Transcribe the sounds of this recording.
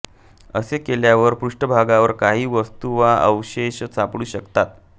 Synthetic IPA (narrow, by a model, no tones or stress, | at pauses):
əsekeljaʋəɾpɾuʂʈəbʱaɡaʋəɾkaɦiːʋəst̪uʋaəwɕeɕt͡sapɽuːɕəkt̪at̪